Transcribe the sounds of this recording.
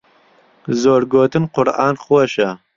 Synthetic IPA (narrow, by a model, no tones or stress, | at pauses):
zoːɾɡoːt̪ɨnqʊɾʔɑ̰ːnχwɐʃɐ